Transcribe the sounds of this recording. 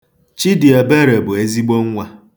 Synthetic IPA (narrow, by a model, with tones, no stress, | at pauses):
t͡ʃi˦dɪ˨e˨be˦ɾe˨bʊ˨e˦zi˦ɡ͡bo˦ŋ̩˦ŋʷa˦